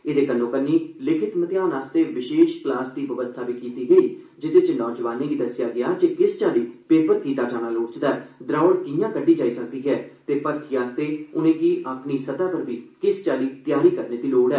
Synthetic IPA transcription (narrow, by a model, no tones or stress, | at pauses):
ɪd̪eːkənːõːkənːiːlɪkʰɪt̪mət̪ɪjaːnaːst̪eːʋɪʃeːʃklaːsd̪iːʋəʋəst̪ʰaːʋiːkiːt̪iːɡəiː | d͡ʒɪt̪eːt͡ʃnɔːd͡ʒʋaːnẽːɡiːd̪əsɪjaːɡɪjaːd͡ʒekɪst͡ʃaːliːpeːpət̪̚kiːt̪aːd͡ʒaːnaːloːɽt͡ʃd̪aːɛd̪ɾaːɽkɪjãːkəɖːiːd͡ʒaːiːsək̚d̪iːɦɛːt̪eːpəɾt̪ʰiːaːst̪eːʊnẽːkiːʔapniːsəd̪aːpəɾʋiːkɪst͡ʃaːliːt̪jaːɾiːkəɾneːd̪iːloːɽɛː